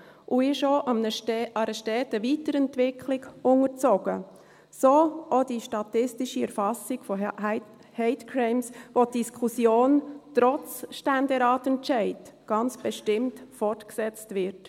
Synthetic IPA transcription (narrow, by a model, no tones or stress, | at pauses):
ʔuɪʃoʔɑmnəɑɾɛʃtɛːtəvitəɾɛntvɪkʰlɪɡʊŋəɾt͡soɡ̥ə | soːʔod̥iʃtɑtɪstiʃiɛɾfɑsɪɡ̥fɔ | hɛɪtkʰɾɛɪmsʋotd̥iskʰusjoːntɾɔt͡sʃtændɛɾɑːtɛnt͡ʃɛɪdɡ̥ɑnt͡sb̥ɛʃtɪmtfɔrtksɛt͡stvɪɾt